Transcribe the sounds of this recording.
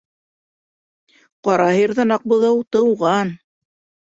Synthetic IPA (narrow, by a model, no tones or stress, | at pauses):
qɑɾɑɦiɾðɑnɑq̚bŏðɤwt̪ɤ̆wʁɑn